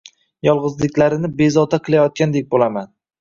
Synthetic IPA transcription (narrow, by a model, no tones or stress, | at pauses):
jɒlˠʁɨzlɪkʲlaɾɪnɪbe̞zɒt̪ʰaqʰɨlˠajɒt̪̚kʲand̪ek̚ʲbolaman